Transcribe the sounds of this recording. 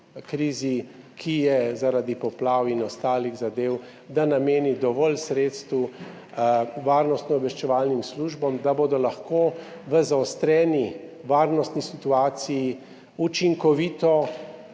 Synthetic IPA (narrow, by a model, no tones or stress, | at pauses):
kɾiːzi | kʰijɛzaɾad̪ipɔplaːwinɔst̪aːliɣzad̪eːw | d̪anameːnid̪ɔʋɔlsɾeːt̪st̪ʋu | ʋaːɾnɔst̪nɔɔbʋɛʃt͡ʃɛʋaːlnimsluʒbɔmd̪abod̪ɔlaxkoː | ʋəzaɔst̪ɾɛːniʋaːɾnɔst̪nisit̪uaːt̪siji | ut͡ʃiŋkɔʋiːt̪ɔ